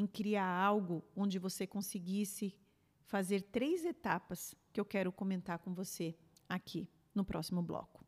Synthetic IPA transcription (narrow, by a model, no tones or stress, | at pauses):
ẽj̃kɾiaawɡʊõd͡ʒɪvosekõsɪɡisɪ | fazeɾt̪ɾejzet̪apɐskɪewkɛɾʊkõmẽnt̪aɾkõvose | akʰi | nʊpɾʔɔsimʊblɔ̰kʊ̥